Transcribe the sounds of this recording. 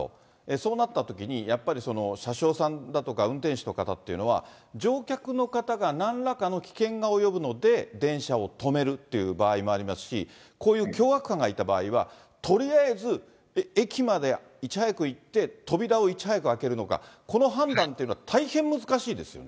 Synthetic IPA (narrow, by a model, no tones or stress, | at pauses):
eso̞ːnat̪ːat̪o̞kʲiɲ̟ijapːaɾʲiso̞no̞ɕaɕo̞ːsãnd̪at̪o̞kaɯ̟̃nt̪ẽɕi̥t̪o̞kat̪at̪ːe̞iɯ̟no̞β̞a̰d͡ʑo̞ːkʲakɯ̟no̞kat̪aɡanãnɾakano̞kʲi̥kẽ̞ŋɡao̞jo̞bɯ̟no̞d̪e̞d̪ẽ̞ɰ̃ɕao̞t̪o̞me̞ɾɯ̟t̪ːe̞jɯ̟baːimo̞aɾʲimasɨ̥ɕi | ko̞ːjɯ̟ːkʲo̞ːɡakɯ̟̥kːãŋɡait̪aba̰ːiβa | t̪o̞ɾʲiaezɨ | e̞kʲimad̪e̞ | it͡ɕihajakɯ̟it̪ːe̞t̪o̞bʲiɾao̞it͡ɕihajakɯ̟ake̞ɾɯ̟no̞ka̰ko̞no̞ɦãnd̪ãnt̪ejɯ̟no̞at̪ʰaihẽ̞mːɯ̟zɨkaɕiːd̪e̞sɨjo̰ne